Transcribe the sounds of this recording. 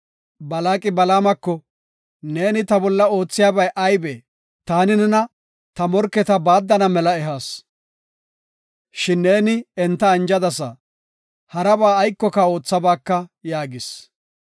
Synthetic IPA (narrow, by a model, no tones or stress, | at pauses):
bɐlaːkʼɪbɐlaːmɐkːɔ | ne̞ːnɪt̪ɐbɔlːɐo̞ːt͡sːɪjaːbɐjʔɐjbeː | t̪aːnɪnɛnɐ | t̪ɐmɔɾkːɛt̪ɐbaːd̪ːɐnɐmɛlɐɛɦaːs | ʃɪnːe̞ːnɪɛnt̪ːɐːnd͡ʒɐd̪ɐsɐ | hɐɾɐbaːjkːɔkao̞ːt͡sːɐbaːkːɐjaːɡɪs